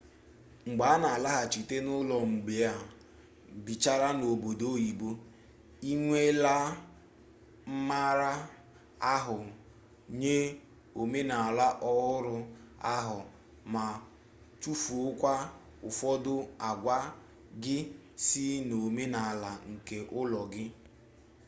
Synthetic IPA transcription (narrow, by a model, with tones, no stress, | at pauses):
ŋ͡m̩˨ɡ͡ba˨˦a˦na˨a˨la˦ɦa˨t͡ʃi˨te˦nʊ˦lɔ˨ŋ͡m̩˨ɡ͡be˨˦a˨ | bi˨t͡ʃa˦ɾa˦no˨bo˨do˦ji˨bo˦ | i˦ŋʷe˦la˦ | m̩˦ma˦ɾa˦ | a˦ɦʊ˨ | ɲe˦ | o˨me˦na˨a˨la˦ʔɔ˦ɦʊ˦ɾʊ˦a̰˦ɦʊ˨ | ma˨ | tu˦fu˨ʊ˦kʷa˦ | ʊ˨fɔ˦dʊ˦a˨ɡʷa˦ | ɡɪ˦ | si˦no˨me˦na˨a˨la˨ŋ̩˨ke˨ʔʊ˦lɔ˨ɡɪ˦